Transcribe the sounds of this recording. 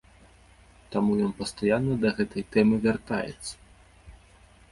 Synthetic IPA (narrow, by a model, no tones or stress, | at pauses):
t̪amujɔnpɐst̪ajanːɐd̪ɐɣɛt̪ɐjt̪ɛmɨvʲart̪a̰jɛ̰t̪sːɐ̥